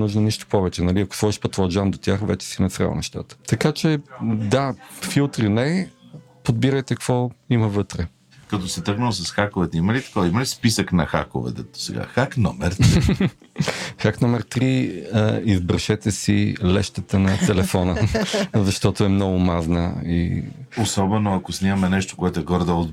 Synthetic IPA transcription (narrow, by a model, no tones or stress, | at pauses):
nuʒnəniʃt̪o̥pɔvɛt͡ʃɛnɐliɐkʊ̥svɔiʃpɐt̪vod͡ʒand̪ot̪ʲjaxvɛt͡ʃɛ̥sinɛt̪sɾʲa̰l̰ˠnɛ̰ʃt̪a̰t̪ə̥t̪ɐkat͡ʃɛd̪afilˠt̪ɾinɛ | pod̪̚biɾəjt̪ɛkkv̥ɔiməvɤt̪ɾɛ | kət̪ɔsɛt̪ɤɾɡnəlˠos̬ɐsxakovɛt̪ɛiməlit̪ɐ̥kɔviməlispisəknɐxa̰ko̰vɛ̰t̪ɛt̪o̥sɛ̰ɡa̰xaknɔmɛɾ | xaknɔmɛɾt̪ɾi | izbɾʃɛt̪ɛsilɛʃt̪ət̪ənɐt̪ɛlɛfɔnəzɐʃt̪ɔt̪ʊɛmnɔɡʊmaznə̰ḭosɔbɛnoɐkosnʲimɐmɛnɛʃt̪o̥koɛt̪oɛɡɔɾd̪əo